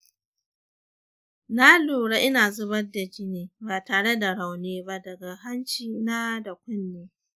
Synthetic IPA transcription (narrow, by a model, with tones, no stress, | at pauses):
na˦loː˨ɽa˦ʔɪ˦naː˨zʊ˦bɐ˦rda˨d͡ʒɪ˦neː˨baː˨taː˨ɽe˦da˨ɽa˨wneː˦ba˦dɐ˨ɡa˨ɦa˦nt͡ʃiː˨na˦da˨kʷʊ˦nːeː˦